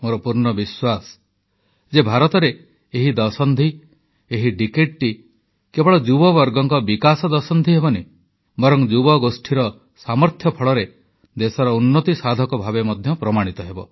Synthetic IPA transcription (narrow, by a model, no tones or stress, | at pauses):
moɾɔpuɾɳɔbiswas | d͡ʒebʱaɾɔt̪ɔɾe | eɦid̪ɔsɔnd̪ʱi | eɦiʈikeʈʈi | kebɔɭɔd͡ʒubɔbɔɾɡɔŋkɔbikasɔd̪ɔsɔnd̪ʱiɦebɔne | bɔɾɔŋd͡ʒubɔɡosʈʰiɾɔ | samɔɾt̪ʰjɔpʰɔɭɔɾe | d̪esɔɾɔunːɔt̪isad̪ʱɔkɔbʱabemɔd̪ʱjɔpɾɔmaɽ̃it̪ɔɦebɔ̰